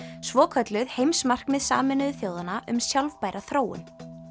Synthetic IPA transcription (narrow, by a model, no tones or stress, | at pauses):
svɔːkʰœt̪lʏðhejmsmar̥kmɪðsa̰ːmɪnʏðʏθjoːwðanaʔʏmsjalvpaːjɾʔaθɾoːwʏ̰n